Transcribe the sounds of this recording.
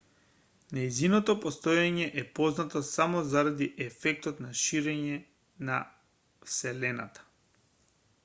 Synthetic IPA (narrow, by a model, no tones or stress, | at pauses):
nɛjzinɔt̪ɔpɔst̪ojaɲɛʔɛpɔznat̪osamɔzaɾad̪iʔɛfɛk̚t̪ɔt̪naʃiɾɛɲɛ | na̰ | fsɛlɛna̰t̪ḁ